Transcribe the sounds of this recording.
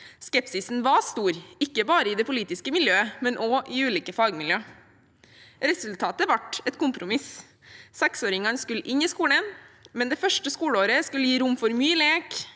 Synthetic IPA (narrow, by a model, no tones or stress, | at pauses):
skɛpsɪsn̩ʋɑst̪uːɾɪkːəbɑːɾəɪd̪ɛpʰʊliːt̪ɪskəmɪljøːəmɛnʔoːʔɪʉːliːkəfɑːɡmɪljøː | ɾɛsʉlt̪ʰɑːt̪əʋɑʈɛt̪kʊmpɾʊmɪs | sɛksoːɾɪŋɑnskʉlːəʔɪniskuːlənmɛnd̪ɛfœʂʈəskuːɽəoːɾəskʉlːəjiːɾʊmfɔɾmyːleːk